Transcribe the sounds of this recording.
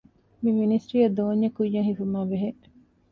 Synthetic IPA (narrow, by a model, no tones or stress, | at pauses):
miminisʈɾiɐd̪oːɲːekujːɐŋɦifumaːbeɦe